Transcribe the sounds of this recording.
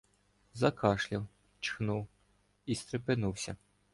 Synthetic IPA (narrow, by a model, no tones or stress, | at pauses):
zɐkɑʃlʲɐw | t͡ʃxnuw | ist̪ɾepɪnuwsʲɐ